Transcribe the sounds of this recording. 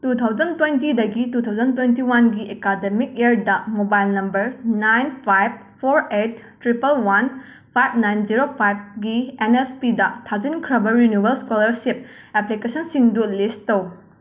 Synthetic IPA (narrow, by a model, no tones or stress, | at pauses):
tutʰawd͡ʒɐntwentidɐɡitutʰawzɐntwentiwanɡiʔekademik̚eɾdɐmobajlnɐmbɐɾnajnpʰajb̚pʰoɾet̚ːɾipɐlwan | pʰajb̚najnd͡ʒiɾopʰajb̚ɡienespidɐtʰad͡ʒinkʰɾɐbɐɾinjubelskolɐɾsip̚ | eplikesɐnsiŋdulisttɐw